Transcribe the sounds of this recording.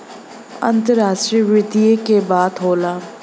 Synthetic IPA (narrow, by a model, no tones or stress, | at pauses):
ɐ̰̃nt̪əɾaːʃʈɾiʋɾɪt̪iekebaːt̪ɦoːlaː